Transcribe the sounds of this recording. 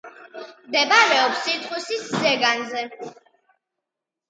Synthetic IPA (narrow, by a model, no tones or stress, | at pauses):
md̪ɛbaɾɛɔpsiɾt̪ʰχwisiszɛɡanzɛ